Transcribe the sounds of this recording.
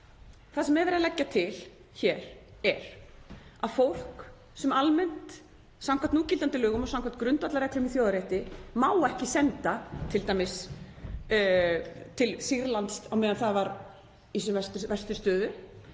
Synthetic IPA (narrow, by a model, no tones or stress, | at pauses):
θaðsɛmːɛðvɛɾðalɛcːat̪ʰɪl | çɛːɾ̥ɛɾ̥ | aðfowl̥k | sɛmalmɛn̥t̪ | sawŋkʰvat̪nuːcɪlant̪ɪlœːɣʏmɔsawŋkvḁt̪kɾʏnt̪at̪laɾɛklʏmiθjowðaɾeɛht̪ɪmaːwɛhcɪsɛnt̪at̪ʰɪlt̪aːjmɪs | t̪ʰɪlsiɾlant̪sawmeːðanθaðvaɾ | isʏvɛst̪ʏvɛ̥st̪ʏ̥st̪œːðʏ